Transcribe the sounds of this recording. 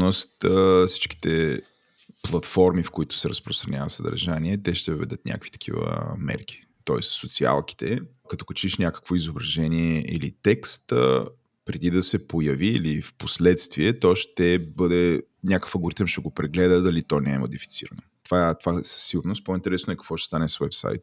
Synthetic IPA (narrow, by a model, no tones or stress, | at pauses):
nost̪si̥t͡ʃk̟i̥t̪ɛ | plˠɐt̪fɔɾmifkoit̪ʊ̥sɛɾəspɾost̪ɾɐnʲɲʲavəsəd̪ɐ̰ɾʒaniɛt̪ɛʃt̪ɛvəvɛ̰d̪ət̪nʲa̰kvi̥t̪ɐ̥k̟ʰḭvə̰mɛ̰ɾk̟i̥ | t̪ɔɛssot̪sia̰lˠki̥t̪ɛ | kɐt̪ɔ̥kɐt͡ʃiʃnʲakə̥kvoizobɾɐʒɛniɛʔḭlḭt̪ɛkst̪ | pɾɛd̪id̪ɐsɛpojɐviːlifposlɛt̪st̪viɛt̪ɔʃt̪ɛbəd̪ɛ | nʲjakə̥fəɡʊɾit̪əmʃt̪ɛɡopɾɛɡlɛd̪əd̪ɐlit̪ɔnɛɛmo̰d̪ifi̥t̪siɾɐnot̪vat̪ovasə̥sːiɡʊɾnʊst̪̚point̪ɛɾɛsnʊɛkɐ̥kvɔʃt̪ɛ̥st̪anɛswɛpsa̰jt̪